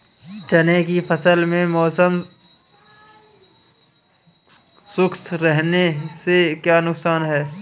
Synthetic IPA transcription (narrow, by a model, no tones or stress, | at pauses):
t͡ʃɐnekifʰɐsəlmẽmɔːsəm | sʊkt̪ɾɛɦnesekjaːnʊksaːnɦɛː